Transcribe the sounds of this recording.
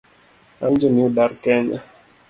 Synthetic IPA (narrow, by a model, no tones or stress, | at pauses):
and͡ʒoniodarkɛɲa̰